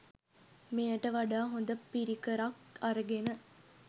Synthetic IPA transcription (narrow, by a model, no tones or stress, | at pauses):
mejɐʈəʋɐɖaːɦond̪ɐpːiɾikəɾɐkɐɾɐɡenə